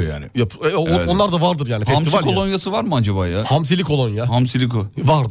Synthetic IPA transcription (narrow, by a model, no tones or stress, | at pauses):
ja̰ːnɪjapoonlˠaɾd̪avaɾd̪ɯɾjaːnifhɛsamsivalkolˠonjasɯvaɾmɯad͡ʒaβaːjahamsilʲikʰo̞lˠonjahamsilʲikovaɾd̪